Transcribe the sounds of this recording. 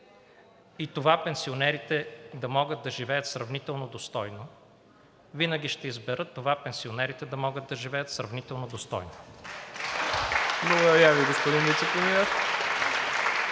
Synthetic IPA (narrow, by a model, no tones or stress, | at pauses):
it̪ovapɛnsionɛɾit̪ɛd̪ɐmɔɡət̪̚d̪ɐʒivɛjət̪sɾɐvnit̪ɛlˠnod̪ost̪ɔjno | vinəɡʲiʃt̪ɛizbɛɾɤt̪ːovapɛnsionɛɾit̪ɛd̪ɐmɔɡət̪̚ːɐʒivɛjət̪sɾɐvnit̪ɛlˠnod̪ost̪ɔ̰jno | blˠɐɡod̪ɐɾjaviɡospod̪invit̪sɛpɾɛmiɛɾ